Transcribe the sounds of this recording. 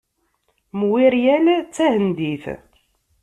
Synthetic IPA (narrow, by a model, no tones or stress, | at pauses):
mwiɾjælt͡sːæhənd̪iθ